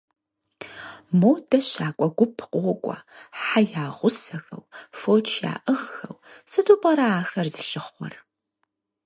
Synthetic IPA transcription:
mowdɐɕaːkʷʼɔɡʷʊpʰqʼʊʁʷʊkʷʼɐ̰ħajaːʁʷʊsɐɣɐ̰wfoːt͡ʃʰja̰ːʔəʁxɐwsɨtʰuːpʼɐɾaaːxɐrzɨɬɨχːʷɔ̰r

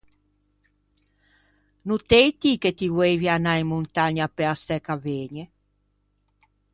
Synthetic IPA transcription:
nut̪ejt̪iket̪ivwevianaimːunt̪aɲapeast̪ɛkaveːɲe

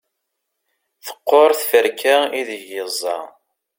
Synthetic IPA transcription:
θə̥qːoɾˤθfəɾkæiðəʝjəzˤːɑ̰

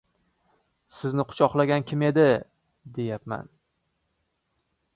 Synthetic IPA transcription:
sɪznɪqʰʊ̥t͡ʃʰɒqlˠaɡʲankʲʰɪme̞d̪ɪ | d̪e̞japma̰n

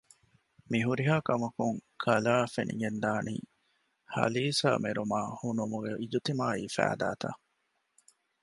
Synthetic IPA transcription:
miɦuɾiɦaːkɐmɐkuŋkʰɐlaːfḛnḭŋend̪aːnḭː | hɐ̰liːsa̰ːmeɾumaːhunumuɡeʔid͡ʒut̪imaːiːfæ̰ːd̪aːt̪a̰

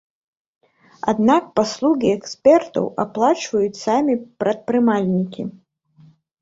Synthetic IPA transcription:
a̰d̪nak̚paslˠuɣʲiɛksʲpʲɛrt̪ɐ̰wʔaplˠat͡ʂvɐjut͡sʲsamʲipɾɐt̪̚pɾɨmalʲnʲikʲḭ

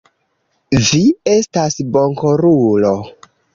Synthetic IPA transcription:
vie̞stasboŋkoɾulo

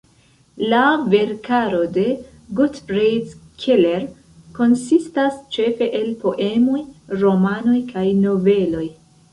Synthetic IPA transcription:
lave̞ɾkaɾo̞de̞ | ɡutfɾejdkʰele̞ɾ | ko̞nsistast͡ʃe̞fe̞ʔelpo̞ʔe̞mo̞jɾo̞mano̞jkʰajno̞ve̞lo̞j

